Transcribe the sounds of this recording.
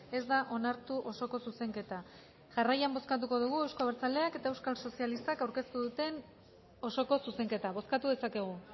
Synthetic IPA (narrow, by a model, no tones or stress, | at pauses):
e̞zd̪aʔo̞naɾt̪uʔo̞so̞ko̞suse̞ŋke̞t̪a | ʝarajambo̞skat̪̬uko̞ðuɣ̞ue̞wskoβeɾt͡sale̞ake̞t̪ae̞wskalso̞sialist̪akawɾke̞st̪uðut̪e̞n | o̞so̞ko̞suse̞ŋke̞t̪aβ̞o̞skat̪uðe̞sake̞ɣ̞u